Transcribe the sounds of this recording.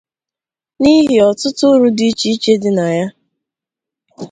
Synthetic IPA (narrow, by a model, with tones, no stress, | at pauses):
ni˦ɦɪ˨ɔ˨tʊ˦tʊ˦ɾu˦di˦t͡ʃi˦t͡ʃe˦dɪ˨na˨ja˦